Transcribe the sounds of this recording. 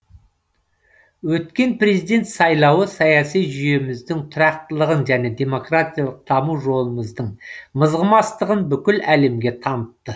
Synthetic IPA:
wɵt̪kʲe̞npre̞zijd̪e̞nt̪sɑjlˠɑwəsɑjɑsijʒʏje̞mɪzd̪ɪŋt̪ʰʊɾɑqt̪əlˠəʁənʒæne̞d̪e̞mo̞krat̪ʲijalˠəq̚d̪̥ɑmuwʒo̞lˠəməzd̪əɴməzʁəmɑst̪əʁənbʏkʲɪlæle̞mɡʲe̞t̪ʰɑnət̪ːə

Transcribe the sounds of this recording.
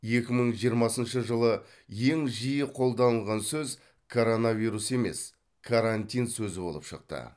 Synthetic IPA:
je̞kʲɪməɴʒijəɾmɑsənʃəʒəlˠə | je̞ŋʒijɪqʰo̞lˠd̪ɑnəlˠʁɑnsɵz | kʰoɾo̞navʲijɾuse̞me̞̰s | kʰaɾant̪ʲijnsɵzɪbo̞lˠə̰pʃə̰q̚t̪ə̰

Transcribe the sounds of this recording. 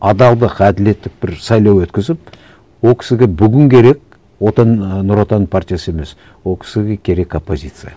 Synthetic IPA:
ɑd̪ɑlˠd̪əqæd̪ɪle̞t̪ːɪk̚bɪɾsɑjlˠɑwwɵt̪kʲɪzɪp̚ | wo̞lˠkʰʲɪ̥sɪɡʲe̞bʏɡʲɪŋkʲʰe̞ɾe̞k̚ʲ | wo̞t̪ɑnnːʊɾot̪ɑnpʰart̪ʲijasəeme̞s | wo̞lˠkʰʲɪ̥sɪɡʲe̞kʲʰe̞ɾe̞kopːo̞zʲit̪sɨja̰

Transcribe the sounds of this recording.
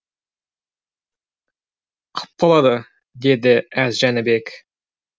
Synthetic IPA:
qʰə̥p̚qɑlˠɑd̪ə | d̪ed̪ɪæzʒænɪbek

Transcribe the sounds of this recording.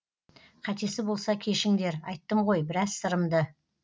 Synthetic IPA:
qʰɑt̪e̞sɪbo̞lˠsɑkʲʰe̞ʃɪŋd̪e̞ɾɑjt̪ːəmʁo̞jbɪɾɑzsəɾəmd̪ə

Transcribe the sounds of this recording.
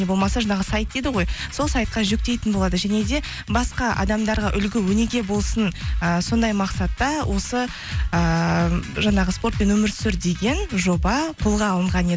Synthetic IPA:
ebo̞lˠmɑsɑʒɑnɑʁəsɑjt̪̚d̪ejd̪ɪʁo̞jso̞lˠsɑjt̪̚qɑʒʏk̚t̪e̞jt̪ɪnbo̞lˠɑd̪əʒæne̞d̪e̞ | bɑsqɑʔɑ̰d̪ɑmd̪ɑɾʁɑʔʏlɡʲɪwɵne̞ɾɡʲe̞bo̞lˠsənəso̞nd̪ɑjmɑqsɑt̪ːɑwʔo̞sə | ə | ʒɑɴɑʁəspo̞rt̪pe̞nwɵmɪɾt̪sɪɾd̪e̞ɡʲe̞nʒo̞bɑqʰʊlˠʁɑːlˠəɴʁɑned̪

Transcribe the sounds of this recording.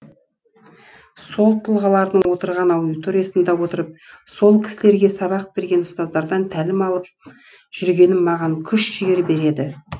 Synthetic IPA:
so̞lˠt̪ʰəlˠʁɑlˠɑɾd̪əɴwo̞t̪əɾʁɑnɑwd̪ijt̪o̞ɾʲijasənd̪ɑwo̞t̪əɾəp̚so̞lˠkʲʰɪ̥sɪle̞ɾɡʲe̞sɑβɑq̚be̞ɾɡʲe̞nʊst̪ɑzd̪ɑɾd̪ɑnt̪ʰælɪmɑlˠəp̚ | ʒ̥ʏɾɡʲe̞nɪnmɑʁɑŋkʲʰʏʃʒɪjeɾbe̞ɾe̞d̪ɪ

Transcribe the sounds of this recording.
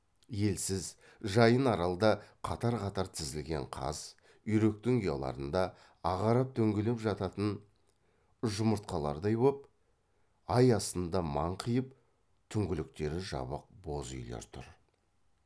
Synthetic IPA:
je̞lsɪz | ʒɑjənɑɾɑlˠd̪ɑqʰɑt̪ɑɾqʰɑt̪ɑɾt̪ʰɪzɪlɡʲe̞̰ɴqʰɑ̰z | ʏjɾe̞k̚t̪ɪŋʊjɑ̰lˠɑ̰ɾənd̪ɑː | ʁɑɾɑp̚t̪ʰɵŋɡʲɪlɪpʒɑt̪ɑt̪ən | ʒʊməɾt̪̚qɑlˠɑ̰ɾd̪ɑjbop | ɑjɑst̪ənd̪ɑmɑɴqʰijəp | t̪ʰʏŋɡʲɪlɪk̚t̪e̞ɾɪʒɑ̰bəq̚bo̞zʏ̰jlḛɾt̪ʰʊ̰ɾ

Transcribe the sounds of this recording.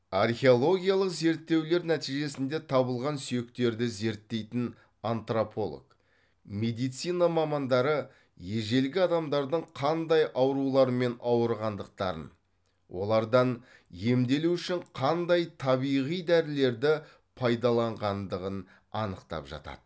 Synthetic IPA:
ɑrχʲeo̞lˠo̞ɡʲijalˠəqze̞ɾt̪ːe̞wle̞ɾnæt̪ijʒe̞sɪnd̪e̞t̪ʰɑbəlˠʁɑnsʏje̞kt̪e̞ɾd̪ɪze̞ɾt̪ːe̞jt̪ɪn | ant̪ropʰo̞lˠo̰k | me̞d̪ijt̪sijnɑmɑmɑnd̪ɑɾə | je̞ʒe̞lɡʲɪɑd̪ɑmd̪ɑɾd̪əɴqʰɑnd̪ɑjʔɑwɾulˠɑɾəme̞nɑwəɾʁɑnd̪əq̚t̪ɑɾə̰n | wʔo̞̰lˠɑɾd̪ɑn | je̞md̪e̞luʏʃɪɴqʰɑnd̪ɑjt̪ʰɑβijʁijd̪æɾɪle̞ɾd̪ɪ | pʰɑjd̪ɑlˠɑɴʁɑnd̪əʁən | ɑ̰nəqt̪ɑ̰pʒɑ̰t̪ɑ̰d̪̥ə

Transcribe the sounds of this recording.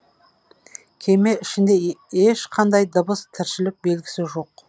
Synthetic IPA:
kʲʰe̞me̞ɪʃɪnd̪e̞eʃqʰɑnd̪ɑjd̪əbəst̪ʰɪɾʃɪlɪk̚be̞lɡʲɪsɪʒo̞q

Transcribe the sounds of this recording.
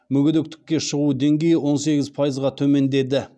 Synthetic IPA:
mʏɡʲɪd̪ek̚t̪ɪ̥kʲːe̞ʃəʁud̪e̞ŋɡʲe̞jɪwo̞nse̞ɡʲɪzpʰajəzʁɑt̪ʰɵme̞nd̪e̞d̪ɪ

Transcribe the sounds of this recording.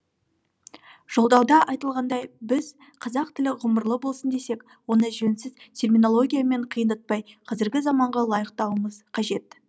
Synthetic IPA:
ʒ̥o̞lˠd̪ɑwd̪ɑʔɑjt̪əlˠʁɑnd̪ɑjbɪz | qʰɑzɑq̚t̪ʰɪlɪʁʊməɾlˠəbo̞lˠsənd̪e̞se̞k | wo̞nəʒɵnsɪzt̪ʲʰe̞rmino̞lˠo̞ɡʲijame̞ɴqʰəjənd̪ət̪̚pɑjqʰɑzɪɾɡʲɪzɑmɑɴʁɑlˠɑjəqt̪ɑwəməzqʰɑʒe̞t̪

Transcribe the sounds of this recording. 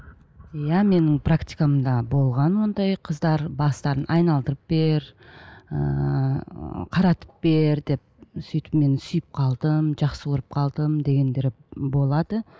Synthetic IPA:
jæme̞nɪŋpʰrakt̪ijkamd̪ɑbo̞lˠʁɑnwo̞nd̪ɑjqʰəzd̪ɑɾbɑst̪ɑɾənʔɑjnɑlˠd̪əɾəp̚be̞ɾ | ə̰ | qʰɑɾɑt̪ə̥p̚be̞ɾd̪e̞p̚sʏjt̪ɪ̥pme̞nɪsʏjɪp̚qʰɑlˠd̪əmʒɑqsəwoɾəp̚qʰɑlˠd̪əmd̪e̞ɡʲe̞nd̪e̞ɾbo̞lˠɑd̪ə

